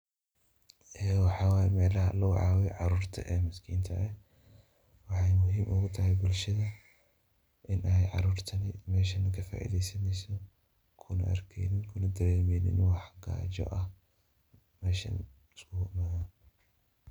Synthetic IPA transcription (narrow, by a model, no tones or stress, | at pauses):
ʔɛːwɑħɑːwaːjɛmɛːlɐɦɐlɐwɑ̰ʕɑːwɛʕɑɾuːrt̪ʰɐ̰ʔɛːmɐskʰḭːnt̪ʰɐ̰ʔɛ | wɑħɑjmʊɦiːmʔʊɣʊt̪ʰɐɦɛjbʊlʃɐðɐ | ʔɪnʔɛjʕɑ̰ɾuːrt̪ʰɐnɪmɛːʃɐnɐkʰɐfa̰ːʔḭːðɛjsɐnɛjsɔ | kʰʊnɐ̰ʔɐ̰rkʰɛ̰ːnɪnkʰʊnɐd̪ɐɾɛːmɛjnɪ̰nwɑħɡa̰ːd͡ʒɔ̰ʔɐh | mɛːʃɐ̰n | ɪskʰʊwmaðɐ